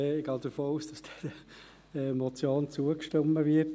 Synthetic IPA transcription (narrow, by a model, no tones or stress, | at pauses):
ɪɡ̥ɑːd̥əfoːuːsd̥ɑsd̥ɛd | mɔt͡sjoːnt͡suəkʃtomːəʋɪt